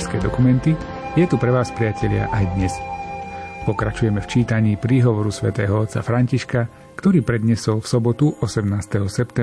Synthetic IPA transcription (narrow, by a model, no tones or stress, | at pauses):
skɛːd̪ɔkumɛnt̪i | jɛt̪upɾɛʋaːspɾɪacɛʎɪa̰ʔajd̪ɲɛs | pɔkɾat͡ʃujɛmɛft͡ʃiːt̪aɲiːpɾiːɦɔʋɔɾusʋɛ̰t̪ɛːɦɔɔt̪sa̰fɾaɲciʃka | kt̪ɔɾiːpɾɛd̪ɲɛsɔlfsɔbɔt̪uʔɔsɛmnaːst̪ɛɦɔsɛpt̪ɛ